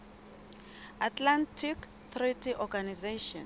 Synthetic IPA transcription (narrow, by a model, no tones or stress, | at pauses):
atʰlantʰik | θritʰiʔɔɡanizeʃɔ̃n